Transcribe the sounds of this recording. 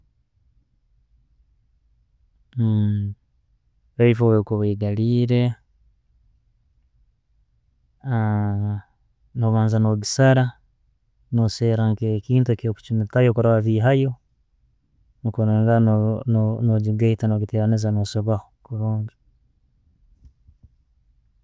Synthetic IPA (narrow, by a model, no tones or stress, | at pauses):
βeifowekoβeːɡaliːɾe | a | noβaːnzanoβisaɾa | noseːɾaŋkekiːntuekioku̥t͡ʃinitajokuɾaβaβiɦajo̞ | nukoɾeŋɡanononoɟiɡaitanoɡiteɾanezanosoβahokuɾoːɲɟi